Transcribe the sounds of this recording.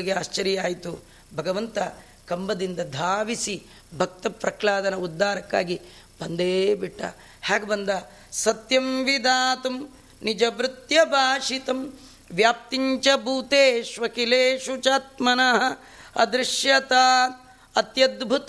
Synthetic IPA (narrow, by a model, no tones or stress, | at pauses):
iɡeaːʃt͡ʃɐɾijaːjit̪u | bʱɐɡɐʋɐnt̪ɐ | kɐmbɐd̪ind̪ɐd̪ʱaːʋisi | bʱɐk̚t̪ɐpɾɐklaːd̪ɐnɐud̪ːaːɾɐkːa̰ːɡi | b̥ɐnd̪eːbiʈːɐ̰ | haːɡebɐnd̪ɐ | sɐt̪jɐmʋid̪aːt̪ɐm | nid͡ʒɐʋɾɪt̪jɐbʱaːʂit̪ɐm | ʋjaːp̚t̪iɲt͡ʃɐbʱuːt̪eːʃʋɐkileːʃut͡ʃaːt̪̚mɐnɐɦɐ̆ | ɐ̰d̪ɾɪʂjɐt̪aː | ɐt̪jɐd̪bʱut̪